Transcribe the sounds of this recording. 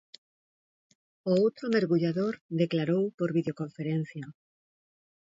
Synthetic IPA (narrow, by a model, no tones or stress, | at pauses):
oowt̪ɾomeɾɣuʎaðoɾðeklaɾowpoɾβiðeokoɱfeɾẽn̟θja